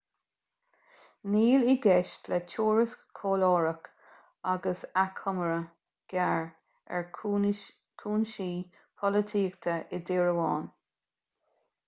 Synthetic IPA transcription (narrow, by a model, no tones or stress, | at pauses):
niːliɡɛʃtlɛtʰuːɹɪskkʰːoːlɔːɹək | aɡəsakʰɔməɹə | ɡ̥ɛɹ | ɛ̰ɹ | kʰuːnʃiː | pʰɔlətʰiːkt̪ʰəʔɪdɪɹəwɑːn